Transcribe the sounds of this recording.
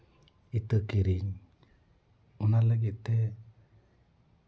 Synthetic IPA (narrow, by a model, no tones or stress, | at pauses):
it̪əkiɾiɲ | unaləɡit̪e